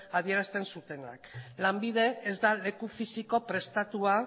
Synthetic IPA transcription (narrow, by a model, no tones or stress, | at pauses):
aβie̞ɾast̪e̞nsut̪e̞na̰klambið̞e̞ːzd̪ale̞kufisiko̞pɾe̞st̪at̪ua